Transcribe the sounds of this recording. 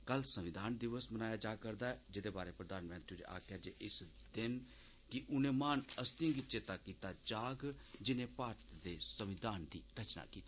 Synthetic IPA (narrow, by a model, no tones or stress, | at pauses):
kəlsəʋɪd̪aːnd̪ɪʋəsmənaːjaːd͡ʒaːkəɾd̪aːɛd͡ʒɪd̪eːbaːɾeːpɾəd̪aːnmɛ̃ːnt̪ɾid͡ʒ̰a̰ːkʰjaːd͡ʒḛːʔɪs | d̪ɪn | kɪʔʊnẽːmaːnəst̪ĩːɡit͡ʃeːt̪aːkiːt̪aːt͡ʃaːɡd͡ʒɪnẽːpaːɾt̪d̪eːsəʋɪd̪aːnd̪iːɾət͡ʃna̰ːkiːt̪iː